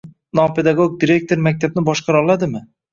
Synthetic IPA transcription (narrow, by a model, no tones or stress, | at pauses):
nɒpʰe̞d̪aɡoɡ̚d̪iɾe̞k̚t̪ʰo̞ɾmak̚ʲt̪ʰabnɪbɒʃqʰɑɾɒlˠad̪ɪmɪ